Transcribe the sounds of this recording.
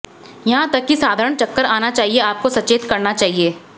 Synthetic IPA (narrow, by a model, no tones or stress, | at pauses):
jɐɦãt̪ɐkːisaːd̪ʱaːɾəɽ̃t͡ʃɐkːəɾaːnat͡ʃaːɦieaːp̚kosɐt͡ʃeːt̪kɐɾnat͡ʃaːɦieː